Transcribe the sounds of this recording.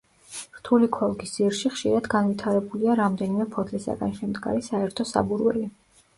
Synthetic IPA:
ɾt̪ʰulikʰɔlˠɡisiɾʃiχʃḭɾad̪ɡanvit̪ʰaɾɛbuliaɾamd̪ɛnimɛpʰɔt̪ʰlisa̰ɡa̰nʃɛmd̪ɡa̰ɾisaɛɾt̪ʰɔsa̰buɾwɛ̰li

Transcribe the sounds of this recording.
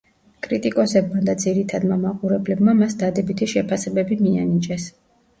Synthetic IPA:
kʼɾit̪ʼikʼɔsɛbmad̪ad̪ziɾit̪ʰad̪mamaqʼuɾɛblɛbmamasd̪ad̪ɛbit̪ʰiʃɛpʰasɛbɛbimia̰nit͡ʃʼɛs

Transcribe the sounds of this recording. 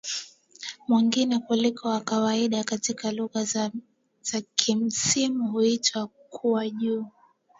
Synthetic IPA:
mwiŋɡinɛkulikʰɔwakawaiɗakatikaluɣa | z̥akʰim̩simuhuitʰwa | kʰuwaʄuː

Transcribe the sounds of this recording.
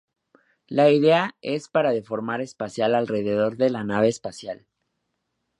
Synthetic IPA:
laiðe̞ae̞spaɾaðe̞fo̞ɾmaɾe̞spasjalalre̞ð̞e̞ð̞o̞ɾðe̞lanaβ̞e̞ːspasjal

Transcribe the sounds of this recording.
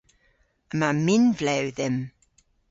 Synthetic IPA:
əmamɪnvlɛwðɪm

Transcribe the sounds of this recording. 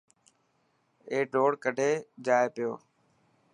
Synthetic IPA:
eːɖʱoːɽkəɖʱeːd͡ʒaːeːpɪjoː

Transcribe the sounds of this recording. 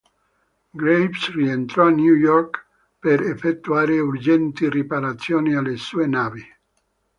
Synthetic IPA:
ɡɾejpsrient̪ɾɔanjujɔrk | peɾefet̪ːuaːɾeuɾd͡ʒɛnt̪iripaɾat̪sːjoːnialːesuenaːvi

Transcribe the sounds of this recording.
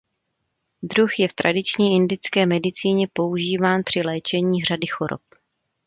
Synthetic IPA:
d̪ɾuxjɛft̪ɾadɪt͡ʃɲiːʔɪndɪt͡skɛːmɛdɪt͡siːɲɛpo̞uʒiːvaːnpr̝̥ɪlɛːt͡ʃɛɲiːr̝adɪxoɾo̰p̚

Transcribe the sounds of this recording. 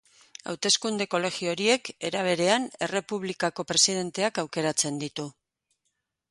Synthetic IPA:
a̰wt̪e̞skund̪e̞ko̞le̞xio̞ɾie̞ke̞ɾaβ̞e̞ɾe̞ane̞re̞puβlikako̞pɾe̞siðe̞nt̪e̞akawke̞ɾat͡se̞nd̪it̪u

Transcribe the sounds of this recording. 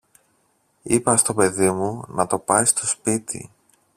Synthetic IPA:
ipɐst̪o̞pe̞ðimunɐt̪o̞pɐjst̪o̞spit̪ḭ

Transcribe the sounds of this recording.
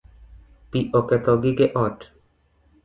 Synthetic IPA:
piʔoket̪ɔɡikeʔɔʈ

